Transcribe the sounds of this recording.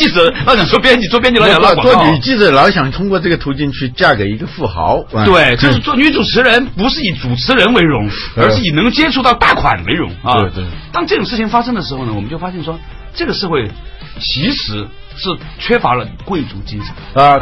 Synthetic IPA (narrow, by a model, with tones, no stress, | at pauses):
t͡ɕi˥˩d͡z̩˧˥lɑ˧˥ɕɑ˨˩ŋt͡swɔ˥˩pjɛ˥nt͡ɕi˨˩t͡swɔ˥˧pjɛ˥nt͡ɕi˧˩lɑ˥˧˥kwɔ˥i˨˩t͡ɕi˥˩d͡zə˨˩lɑ˧˥ʊɕjɑ˨˩ŋt̪ʰʊ˥ŋkwɔ˥˧ʈ͡ʂɤ˥˩ɡə˩t̪ʰu˧˥t͡ɕi˥˧nt͡ɕʰy˥˧t͡ɕja˥˩ke˨˩ɪi˧˥ɡə˧fu˥˩xɑ̰˧˥ʊ˧˩t̪e˥˩ɪt͡ɕo˥˧ʂɻ̩˥˧t͡sɔ˥˧˥t͡su˨˩t͡sʰɻ̩˧˥ɻə˧˥npu˧˥ʂɻ̩˥˩i˨˩t͡su˨˩t͡sʰɻ̩˧˥ɻə˧˥nwe˧˥ɪɻʊ˧˥ŋə˞˧˥ʂ̩˥˩i˨˩˧ŋ˧t͡ɕjɛ˥ʈ͡ʂʰu˥˧t̪ɑ˥˧ʊt̪a˥˩kʰwa̰˨˩nlḛ˧˥ɪɻʊ˧˥ŋ˧we˥˩ɪt̪we˥˩ɪt̪ɑ˥ŋʈ͡ʂɤ˥˩ʈ͡ʂʊ˨˩ŋʂɻ̩˥˩t͡ɕʰi˧˩ŋfa˥ʂɤ˥ŋd̪ə˨ʂɻ̩˧˥xo˥˧ʊnə˩wɔ˨˩mə˦t͡ɕo˥˩ʊfa˥ɕjɛ˥˩nʂwɔ˥ | ʈ͡ʂɤ˥˩ɡə˩ʂɻ̩˥˧xwe˥˩ɪ | t͡ɕʰi˧˥ʂɻ̩˧˥ | ʂɻ̩˥˩t͡ɕʰɥɛ˥fa˧˥lə˧kwe˥˧ɪt͡sṵ˧˥t͡ɕi˥ʂə̥˧˩n˧